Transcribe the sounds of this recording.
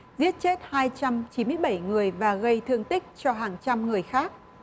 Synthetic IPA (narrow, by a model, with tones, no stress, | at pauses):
zi˦˥ət̚t͡ɕe˦˥t̚haː˧jt͡ɕa˧mt͡ɕi˨˦nmɨ˧əjɓa˧˩jŋɨ˨˩əjvaː˨˩ɣə˧jt̪ʰɨ˧əŋt̪ï˦˥k̟̚t͡ɕɔ˧ɦaː˨˩ŋt͡ɕa˧mŋɨ˨˩əjxaː˦˥k̚